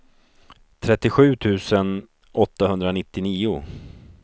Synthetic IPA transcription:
t̪ʰɾɛt̪ːɪɧʉ̟ːt̪ʰʉ̟ːsən | ɔt̪ːahɵnd̪ɾanɪt̪ːɪniːʊ

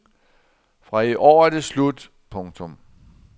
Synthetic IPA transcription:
fʁɑ̈iʔɒ̰ːæd̥eslud̥ | pʰɔ̽ŋt͡sʰɔm

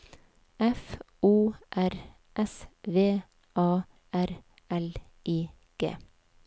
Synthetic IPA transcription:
ɛfʔuːʔæɾ | ʔɛsʋeː | ʔɑː | æɾ | ɛl | ʔiː | ɡ̥ḛː

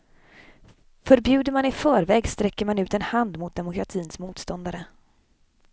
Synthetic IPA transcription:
fœɾbjʉ̟ːd̪əɾmanɪfœːɾvɛːɡst̪ɾɛkːəɾmanʉ̟ːt̪ɛnhand̪mʊt̪̚d̪ɛmʊkɾat̪ʰiːnsmuːt̪st̪ɔnd̪aɾə

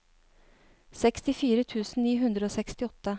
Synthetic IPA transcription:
sɛkst̪ɪfiːɾət̪ʰʉːsn̩niːɦʉnd̪ɾəoːsɛkst̪ɪɔt̪ːə

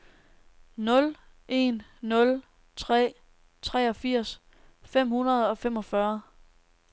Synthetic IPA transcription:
nɔ̽l | ʔe̝nːɔ̽l | t͡sʰʁɛ̰ː | t͡sʰʁɛːɒ̽fiɐ̰s | fem̰hunɐð̞̩ˠɒ̽fem̰ɒ̽fɶɐ

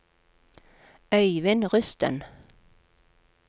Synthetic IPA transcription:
œʏʋɪnʁʉst̪ə̰n

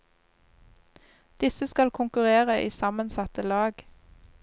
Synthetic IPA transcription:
d̪̥ɪsəskɑlkʰʊŋkʉʁeːʁəʔḭːsɑmənsɑt̪əlɑːɡ

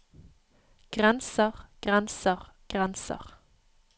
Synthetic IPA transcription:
ɡ̥ʁɛnsəʁɡ̥ʁɛnsəʁ | ɡ̥ʁɛnsə̰ʁ

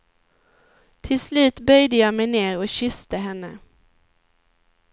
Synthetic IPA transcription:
t̪ʰɪlslʉ̟ːt̪bœjd̪əjɑːmɛjneːɾɔɕʏst̪əɦɛnːə

